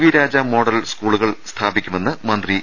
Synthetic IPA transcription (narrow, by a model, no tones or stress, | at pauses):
ʋiɾaːd͡ʑaːmo̞ːɽɐlskuːɭuɣɐɭst̪ʰaːbikʲːume̞nːɨmɐnd̪ri